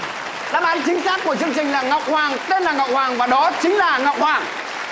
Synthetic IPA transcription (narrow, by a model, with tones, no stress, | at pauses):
ɗaː˨˦˥mʔaː˨˦nt͡ɕï˨˦ŋ̟saː˦˥k̚ku˧˩ət͡ɕɨ˧əŋt͡ɕï˨˩ŋlaː˨˩ŋɔ˨˩wk͡p̚hwaː˨˩ŋt̪e˧nlaː˨˩ŋɔ˨wk͡p̚hwaː˨˩ŋvaː˨˩ɗɔ˨˦t͡ɕï˨˦ŋ̟laː˨˩ŋɔ˨wk͡p̚hwaː˨˩ŋ